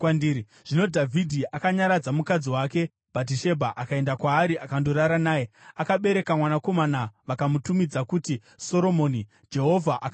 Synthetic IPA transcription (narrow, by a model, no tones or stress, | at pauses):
ndiɾi | ʐ̥ino̞dʱavʱidʱiʔakaɲaɾad͡zamukad͡ziwake̞ | b̥at̬iʃe̞bʱaʔakae̞ndakwaːɾiʔakandoɾaɾanaːjeakaɓe̞ɾe̞kamwanako̞manaʋakamutumid͡zakuti | so̞ɾo̞mo̞ːni | d͡ʒe̞ɦo̞vʱaʔak